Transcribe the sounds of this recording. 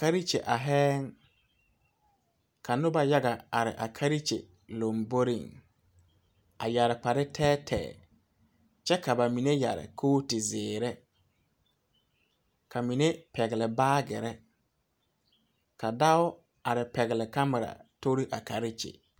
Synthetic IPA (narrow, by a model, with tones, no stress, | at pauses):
ka˦ɾi˦t͡ʃḛ˨ʔa˨ɦɛː˦ŋ | kʰa˨nʊ˦ba˨ja˦ɡa˨a˨ɾɪ̰˨ʔa˨kʰa˦ɾi˦t͡ʃḛ˨ | lo˨mbo˦ɾi˦˨ŋ | a˨ja˨ɾɪ˨k͡pa˨ɾɪ˦tʰɛː˦tʰɛ̰ː˨ | t͡ʃɛ˦ka˨ba˨mi˨ne˦ja̰˨ɾɪ̰˨kʰoː˦tɪ˨zɪː˨ɾɛ˦ | kʰa˨mi˨ne˦pɛ˨ɣɪ˨lɪ˨baː˦ɡɛ˨ɾɛ˦ | ka˨da˦ʊ˦ | a˨ɾɪ˨pɛ˨ɣɪ˨lɪ˨ka˦ma˨ɾa̰˨to˦ɾi˦ʔa˨ka˨ɾi˦t͡ʃḛ˨